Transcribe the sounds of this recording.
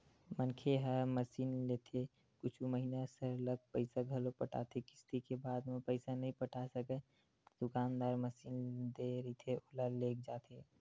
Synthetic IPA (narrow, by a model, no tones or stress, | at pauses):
mənkʰeɦəməsiːnleːt̪ʰe | kʊt͡ʃʰuməɦinasəɾləɡ̚pəɪsaɡʱəlopəʈa̰ːt̪ʰekɪ̥st̪ikebaːd̪mepəɪsanəɦĩpəʈʰasəkə | d̪̥ʊkaːnd̪aːɾməsiːnd̪eɾət̪ʰeolaleːk̚d͡ʒaːt̪ʰeː